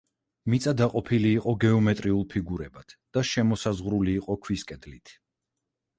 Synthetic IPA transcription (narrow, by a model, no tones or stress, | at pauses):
mit̪sʼad̪aqʼɔpʰiliːqʼɔɡɛɔmɛt̪ʼɾiulˠpʰiɡuɾɛbat̪ʰd̪̥aʃɛmɔsazʁɾuliːqʼɔkʰwiskʼɛd̪lit̪ʰ